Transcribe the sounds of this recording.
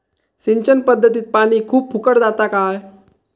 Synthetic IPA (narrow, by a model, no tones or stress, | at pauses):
siɲt͡ɕənpəd̪ʱːət̪iːt̪̚paɽ̃iːkʰuːp̚pʰukəɽd͡zat̪akaj